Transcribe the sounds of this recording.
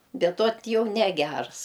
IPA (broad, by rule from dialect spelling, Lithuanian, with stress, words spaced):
ˈbʲɛt oːt ˈjɛʊ nʲɛˈɡʲærs